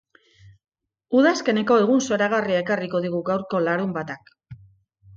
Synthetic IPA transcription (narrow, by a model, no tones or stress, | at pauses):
uðaske̞ne̞ko̞e̞ɣ̞unso̞ɾaɣ̞ariae̞kariko̞ðiɣuɣawɾko̞laɾumbat̪ak